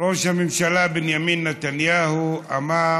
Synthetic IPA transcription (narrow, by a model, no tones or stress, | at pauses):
ɔʃamimʃalabɛnjaminːatanjahuama